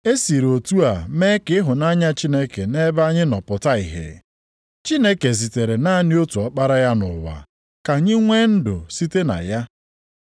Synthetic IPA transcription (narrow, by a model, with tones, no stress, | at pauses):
e˦si˨ɾo˨tu˦a˨me˦kɪ˦ɦʊ˨na˦ɲa˦t͡ʃi˦ne˦ke˨ne˦ba˦ɲɪ˦nɔ˨pʊ˨ta˦i˨ɦḛ˨ | t͡ʃi˦ne˦ke˨zi˨te˨ɾe˨na˦nɪ˦o˦tu˨ɔ˨˦k͡pa˦ɾa˦ja˦nʊ̰˨wa̰˨ | ka˨ɲɪ˦ŋʷe˦n̩˦dʊ̰˨si˦te˦na̰˨ja˦